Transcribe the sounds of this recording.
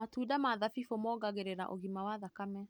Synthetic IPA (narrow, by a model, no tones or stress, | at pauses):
matudamaðafifomɔɣaɣeɾeɾa̰ʔoɣimawaðakamɛ